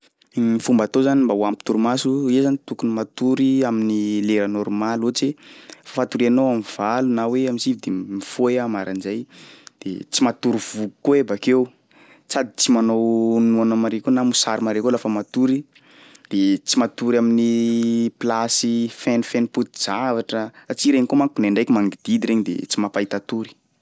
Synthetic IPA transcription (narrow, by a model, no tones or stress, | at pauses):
ifumbat̪ozanimbawampi̥t̪uɾumasuezanit̪ukunimat̪uɾiaminileɾanoɾmalot͡sefafat̪uɾianowamiv̥alunaweamisivid̪emifoeamaɾʔanzajd̪̥ḛt͡simat̪uɾiv̥uɡu̥koebakew | t͡sad̪it͡simanownuanamaɾekʲonamusaɾimaɾekolafəmat̪uɾi | d̪̥et͡simat̪uɾaminiplasifɛnfɛniput̪i̥z̥avaʈ͡ʂəat͡siɾeɲikomaŋkunaɳɖ͡ʐajkimaŋɡid̪̥id̪iɾeɲid̪ḛt͡simapait̪at̪uɾi̥